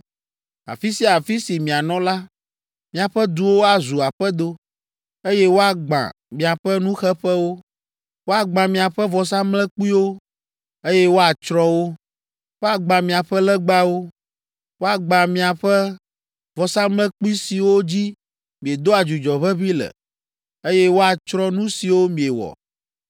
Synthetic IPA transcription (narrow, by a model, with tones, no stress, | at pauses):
a̰˨fi˦si˦˨a˨fi˦si˨mĩ˨a˨nɔ̃˦la˦ | mĩ˨a˨ɸɛ˦d̪u˨˦wo˦a˨zu˨a˨ɸɛ˦d̪o˦ | e˦jɛ˦wo˦a˨ɡ͡bã̰˨ | mĩ˨a˨ɸɛ˦nũ˦xɛ˦ɸɛ˦wo˦ | wo˦a˨ɡ͡bã˨mĩ˨a˨ɸɛ˦vɔ˨s̬ã˦mlɛ̃˦k͡pu˦i˦wo˦ | e˦jɛ˦wo˦a˨t͡ʃɾɔ̃˦wo˦ | wo˦a˨ɡ͡bã˨mĩ˨a˨ɸɛ˦lɛ˦ɡ͡ba˦wo˦ | wo˦a˨ɡ͡bã˨mĩ˨a˨ɸɛ˦ | vɔ˨sã˦mlɛ̃˦k͡pu˦i˦si˨wo˦d͡ʑi˦ | mĩ˨e˨d̪o˦a˨d͡ʒu˨d͡ʒɔ˨βɛ˦βi˦lɛ̰˨ | e˦jɛ˦wo˦a˨t͡ʃɾɔ̃˦nũ˦si˨wo˦mĩ˨e˨wɔ̰˨